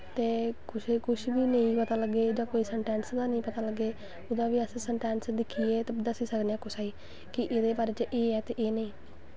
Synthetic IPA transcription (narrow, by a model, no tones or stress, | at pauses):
t̪eːkʊʃekʊʃbiːnəĩːpət̪aːləɡːeːd͡ʒãːkoːiːsɛɳʈɛːnsd̪aːnəĩːpət̪aːləɡːeː | ʊd̪ãːʋiːəssəɳʈɛːnsd̪ɪkʰːiːeːt̪ad̪əsiːsəknejaːkʊsaːiː | kɪʔɪd̪eːbaːɾeːt͡ʃʔeːɛːt̪eːʔeːnəĩː